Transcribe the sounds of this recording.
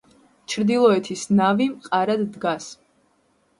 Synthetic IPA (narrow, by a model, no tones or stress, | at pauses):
t͡ʃʰɾd̪ilˠɔɛt̪ʰisnavimqʼaɾad̪ːɡas